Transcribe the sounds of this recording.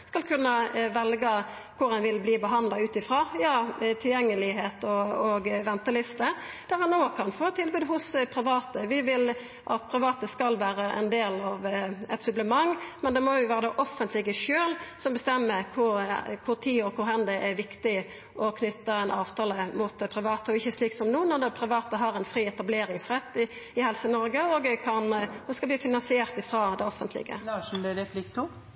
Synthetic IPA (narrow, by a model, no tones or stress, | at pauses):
skɑlkʰʉnːəʋɛlɡə | kʰʊɾɑnʋɪlbliːbəɦɑnd̪lɑʉːt̪ɪfɾɑːjɑːt̪ʰɪljɛŋːəlɪɦeːt̪ɔɔɡʋɛnt̪əlʏst̪ə | d̪̥æɾhɑnoːkʰɑnfoːt̪ʰːɪlbʉːd̪ɦʊspʰʁɪʋɑːt̪əʋɪʋɪl | ʔɑ̰t̪pʰɾɪʋɑːt̪əskɑlʋæːɾəʔɛ̰nd̪eːlɑʋɛt̪sʉbləmɑŋːmɛnd̪ɛmɔjʊʋæːɾəd̪ɛʔɔfːənt̪lɪɡəʃøːlsɔmbəst̪ɛmːəkʰʊɾkʰʊʁt̪ʰiːɔkʊɾhɛnd̪əʔɛɾʋɪkt̪ɪ | ʔɔkʰnʏt̪ːəɛnɑːʋt̪ʰɑːləmʊt̪̚ɛpʰɾɪʋɑːt̪əɔɪçːəsliːksɔmnuːnɔd̪ɛpʰɾɪʋɑːt̪əɦɑɾɛnfɾiːɛt̪ɑbleːɾɪŋsʁɛt̪ːɪ | ɪhɛlsənɔɾɡəɔɡəkʰɑnɔskɑb̪iːfɪnɑnsɪeːʁt̪ɪfɾɑːd̪ɛɔfːənt̪lɪ̰ɡə̰lɑʂnɾɛpʰlɪkt̪ʰu